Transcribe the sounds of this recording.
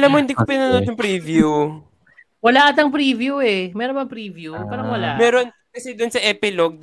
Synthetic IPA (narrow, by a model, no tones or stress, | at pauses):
ɐlamːohɪnd̪iːkopɪnɐnod̪jʊŋpɾiːvju | wɐlaːʔɐt̪ɐŋpɾiːvjuɛmɛːɾonbɐŋpɾiːvjupaːɾɐŋwɐlaʔmɛːɾon | kɐsɛd̪ʊnsɐʔɛpɪloɡ̚